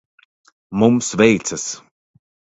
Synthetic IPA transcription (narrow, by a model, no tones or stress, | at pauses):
mʊmsveːjt͡səs